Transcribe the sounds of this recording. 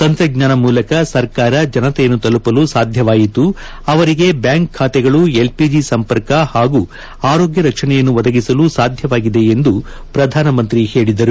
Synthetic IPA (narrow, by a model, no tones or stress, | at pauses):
t̪ɐnt̪ɾɐɡɲaːnɐmuːlɐkɐsɐɾkaːɾɐd͡ʒɐnɐt̪ɛjɐnːut̪ɐlupɐlusaːd̪ʱjɐʋaːjit̪u | ɐʋɐɾiɡe̞bjaːŋkʰːaːt̪ɛɡɐɭue̞lpid͡ʒisɐmpɐɾkɐhaːɡu | aːɾo̞ːɡjɐɾɐkʂɐnɛjɐnːuʋɐd̪ɐɡisɐlusaːd̪ʱjɐʋaːɡid̪e̞end̪u | pɾɐd̪ʱaːnɐmɐnt̪ɾihe̞ːɭid̪ɐɾu